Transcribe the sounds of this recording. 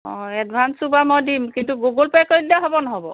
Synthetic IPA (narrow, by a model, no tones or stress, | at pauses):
ɔ̃ɛd̚bʱansubamɔjdimkintuɡoɡolpajkɔɹidiaɦɔbɔnɔɦɔbɔ̰